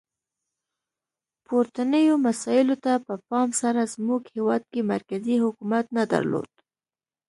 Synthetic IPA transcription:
poɾt̪anəjomasɑjɪlot̪apəpɑmsaɾazmuɡhewɑd̪̚kemaɾkazihʊkumat̪nad̪a̰ɾlo̰d̪̥̚

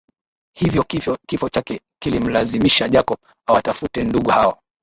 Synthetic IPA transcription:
hivjɔkifɔt͡ʃakɛ | kilim̩lazimiʃaʄakɔp | awatafutɛnduɠuhawa

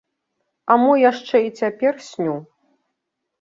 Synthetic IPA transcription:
ɐmujaʂt͡ʂɛit͡sʲapʲɛrsʲnʲu

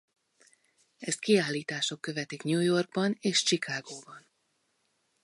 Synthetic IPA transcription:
ɛst̪̚kiaːlːiːt̪aːʃo̞kːø̞vɛt̪ikɲujo̞rɡ̚bɒneːʃt͡ʃikʰaːɡoːbɒn

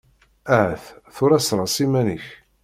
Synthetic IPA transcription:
æʕθθʊɾæsɾˤɑsimæniç

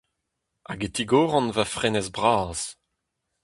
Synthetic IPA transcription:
aɡet̪iɡɔːʁɑ̃nvafʁenɛzbʁaːz̥

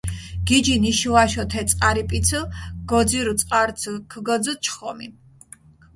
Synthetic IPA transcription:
ɡ̥id͡ʒiniʃvaʃɔt̪ʰɛt̪sʼqʼaɾipʼit̪sʰəɡ̥ɔziɾut̪sʼqʼaɾsʰkʰɡɔd̪zət͡ʃʰχɔmi

